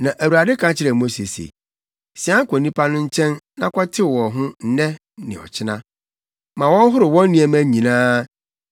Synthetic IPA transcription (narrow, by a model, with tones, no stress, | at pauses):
nã˨ʔæ˨wu˨ɾa˨dɪ˦kʰã˦t͡ɕʰɪ˦ɾɛ˨mo˦se˨sḛ˨ | sɪ˦ã˦ŋ̩˦kʰɔ˨nĩ˦pʰa˦nʊ̃˦ɲ̩˦t͡ɕʰɛ̃˦nnã˦kʰɔ˦tʰɪ˦˨wɔ˨ɦʊ̃˦n̩˦nɛ̃˦ | nɪ̃˨ɔ̰˨t͡ɕʰɪ˦nã˦ | mã˨wɔ̃˦n˦ɦʊ˦ɾɪ˨wɔ̃˦n˦nĩ˦ɛ˨mæ̃˦ɲĩ˨nãː˦